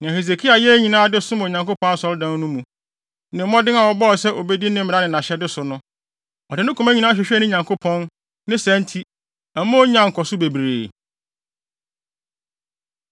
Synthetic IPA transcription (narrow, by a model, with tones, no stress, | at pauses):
nã˨he˨s̬e˨kʰi˦a˨jɛ˦ɲĩ˨nãː˦dɪ˦sʊ˦mʊ̃˨ɲã˨ŋko˦pʰɔ̃˦n˦sɔ˦ldã˦n˦nʊ̃˦mũ˨ | nɪ̃˨m̩˦mɔ̃˦dɪ̃˦na˨wɔ˨bɔ˦ɔ˨sɛ˦ʔo˨be˦di˦nɪ̃˦m̩˦mɪ̃˨˦a˦nɪ̃˨nã˨ɕɛ˦dɪ˦sʊ˨nʊ̃˦ | ɔ˨dɪ˨nɪ̃˦kʰũ˨mæ̃˦ɲĩ˨nã˦ɕᶣɛ˨ɕᶣɛ˦nɪ̃˦ɲã˨ŋkʰo˦pʰɔ̃˦n | nɪ̃˦sæ̃˨˦ntʰi˦ | a˨mõ˦ɲã˦ŋ̩˨kʰɔ˨sʊ˦be˨bɾeː˨